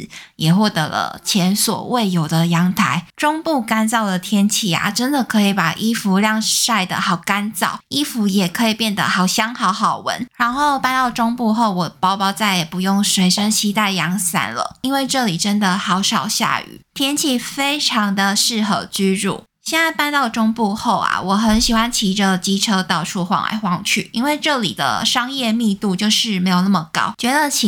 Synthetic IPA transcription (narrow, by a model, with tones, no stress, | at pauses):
jɛ˨˩xwɔ˥˩t̪ɤ̰˧˥lə̰˧t͡ɕʰjɛ˧˥nswɔ̰˨˩we˥˩ɪjo˨˩ʊd̪ə˨jɑ˧˥ŋt̪ʰa˧˦ɪʈ͡ʂʊ˥ŋpu˥˩ka˥nt͡sɑ˥˩ʊd̪ə˩t̪ʰjɛ˥nt͡ɕʰi˥˩a̰˨˩ʈ͡ʂə˦nd̪ə˨kʰɤ˧˥i˨˩pa˨˩ʔi˥fu˧˥ljɑ˥˧ŋʂa˥˩ɪd̪ə̰˨xɑ˨˩ʊka˦nt͡sɑ̰˥˩ʊi˦˥fu˧˥jɛ˨˩kʰɤ˧˦˥i˨˩pjɛ˥˩nd̪ə̰˩xɑ˨˩ʊɕjɑ˥ŋxɑ˧˥ʊxɑ˨˩ʊwə̰˧˥nɻa˨˧˥nxo˥˧ʊpa˥˧nt̪ɑ˥˩ʊʈ͡ʂʊ˥ŋpu˥˧xo˥˩ʊwɔ˨˩pɑ˥ʊpɑ˥ʊt͡sa˥˩ɪjɛ˨˩pu˧˦jʊ˥˩ŋʂwe˧˥ɪʂə˦ŋt͡ɕʰi˥t̪a˥˩ɪjɑ˧˥ŋsa̰˥nlə̰˨i˥nwe˥˧ɪʈ͡ʂɤ˥˩li˨˩ʈ͡ʂə˦˥nd̪ə˨xɑ˧˥ʊʂɑ˨˩ʊɕja̰˥˩y̰˨˩˦t̪ʰjɛ˥nt͡ɕʰi˥˩fe˥ɪʈ͡ʂʰɑ˧˥ŋd̪ə˧ʂɻ̩˥˩xɤ˧˩t͡ɕy˥ɻṵ˥˩ | ɕjɛ˥˧na˥˧ɪpa˥˧nt̪ɑ˥˩ʊʈ͡ʂʊ˥ŋpu˥˧xo˥˩ʊa̰˨˩wɔ˨˩xə˧˥nɕi˨˩xwa˦˥nt͡ɕʰi˧˥ʈ͡ʂə˧t͡ɕi˥ʈ͡ʂʰɤ˥t̪ɑ˥˧ʊʈ͡ʂʰu˥˧xwɑ̰˥˧ŋa̰˧˥ɪxwɑ˥˧ŋt͡ɕʰy̰˥˩i˥nwe˥˧ɪʈ͡ʂɤ˥˩lḭ˨˩d̪ə̰˦ʂɑ˥ŋjɛ˥˧mi˥˧t̪u˥˧t͡ɕjo˥˧ʊʂɻ̩˥˩me˧˥ɪjo˨˩ʊnə˥˩mə˨˩kɑ̰˥ʊt͡ɕɥɛ˧˥d̪ə˧t͡ɕʰi˧˥